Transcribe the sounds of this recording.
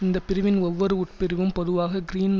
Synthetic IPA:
ɪnd̪ɐpːɪɾɪʋɪnɔʋːɐɾɯʊʈ̚pɪɾɪʋɯmpɔðɯʋaːɣɐɡɪɾiːn

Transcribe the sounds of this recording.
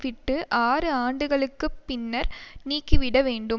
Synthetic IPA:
ʋɪʈːɯʔaːrɯaːɳɖɯɣɐɭɯkːɯpːɪnːɐɾniːkːiʋɪɽɐʋeːɳɖɯm

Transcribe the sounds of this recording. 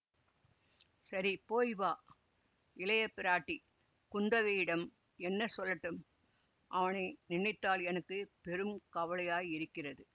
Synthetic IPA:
sɐɾipoːjʋaː | ɪlɐjɐpːɪɾaːʈːi | kʊnd̪ɐʋɐjɪɽɐm | ɛnːɐsɔlːɐʈːɯm | ʔɐʋɐnɐɪnɪɳːɪt̪ːaːlɛnɐkːɯpɛɾɯmkɐʋɐlɐjaːjɪɾɯkːɪrɐðɯ

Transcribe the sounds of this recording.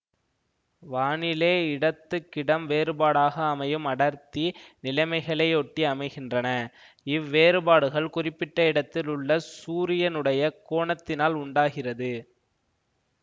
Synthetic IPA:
ʋaːɳɪleːɪɽɐt̪ːɯkːɪɽɐmʋeːɾɯbaːɽaːɣɐːmɐjɯmɐɽɐɾt̪inɪlɐɪmɐɪɣɐɭɐɪɔʈːiɐmɐɪɣɪndrɐnɐ | ɪʋːeːɾɯbaːɽɯɣɐɭkʊrɪpːɪʈːɐɪɽɐt̪ːɪlʊɭːɐsuːɾɪjɐnɯɽɐjɐkoːɳɐt̪ːɪnaːlʊɳɖaːɣɪrɐðɯ

